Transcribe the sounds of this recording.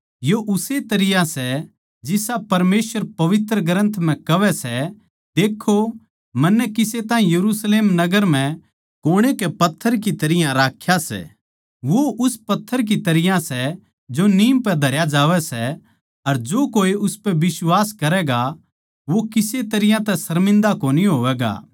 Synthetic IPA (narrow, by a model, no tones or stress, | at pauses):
joʔʊset̪ɐɾɪjãsɛ | d͡ʒɪsapɐɾmeːsʋəɾpɐʋɪt̪ɾəɡəɾə̃nt̪ʰm̤ɛ̃kɐʋɛsɛ | d̪eːkʰːo | mɐ̃nːɛkɪset̪ãːĩjɐɾusleːmnɐɡəɾm̤ɛ̃ | koːɽ̃ekɛpɐt̪ʰːəɾkit̪ɐɾɪjãɾaːkʰːjasɛ̰ː | ʋoʔʊspɐt̪ʰːəɾk̬it̪ɐɾɪjãsɛ | d͡ʒoniːmpɛd̪ʱɐɾjad͡ʒaːʋɛsɛ | ɐɾd͡ʒoːkoːiʔʊspɛʋɪswaːskɐɾɛɡa | ʋokɪset̪ɐɾɪjãt̪ɛsɐɾmɪ̃nd̪akoːniɦoːʋɛːɡa̰ː